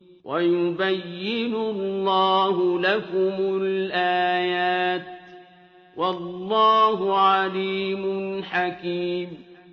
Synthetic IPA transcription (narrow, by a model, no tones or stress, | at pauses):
wʔajʊbajːɪnʊlːɑːɦʊlakʊmʊlʔaːjaːt̪ | wɑlˤːɑːɦʊʕaliːmʊnħakiːm